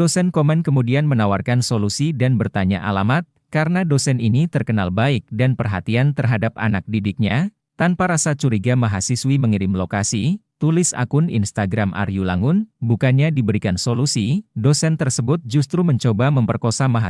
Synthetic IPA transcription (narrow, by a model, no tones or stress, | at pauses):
dosɛnkomɛnkəmudianmənawarkansolusidanbərt̪aɲa̰ʔa̰lamat̪̚ | kaɾənadosɛninit̪ərkənalbaɪk̚danpərɦa̰t̪iant̪ərɦadap̚a̰nak̚didɪk̚ɲa | t̪anpaɾasat͡ʃuɾiɡamaɦasiswiməŋiɾɪmlokasit̪ulɪsa̰kʊnḭnst̪aɡɾamʔa̰rjula̰ŋʊnbukanɲadibəɾikansolusidosɛnt̪ərsəbʊt̪̚d͡ʒust̪ɾuməɲt͡ʃobaməmpərkosamaɦa